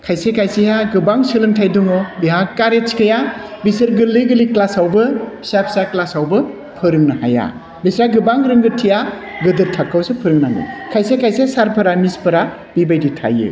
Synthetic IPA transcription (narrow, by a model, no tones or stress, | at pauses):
kʰajsekʰajseɦaɡɯbaŋsɯlɯntʰajdɔŋɔbiɦakaɾet͡ʃkʰɯja | bisɯɾɡɯliɡɯliklasawbɯbʰi̥sapʰi̥saklasawbɯ | pʰɯɾɯŋnaha̰ja̰ | bisɾaɡɯbaŋɾɯŋɡɯtʰija | ɡɯdɯɾtʰakʰːawsɯpʰɯɾɯŋnaŋɯ̰kʰajsekʰajseasaɾpʰɯɾamispʰɯɾa | bibajditʰa̰jɯ̰